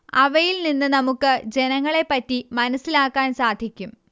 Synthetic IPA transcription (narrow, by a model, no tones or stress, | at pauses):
ɐʋɐjilninːɨnɐmukːɨd͡ʑe̞nɐŋːɐɭe̞pːɐtːimɐnɐsːilaːkːaːnsaːd̪ʱikʲːum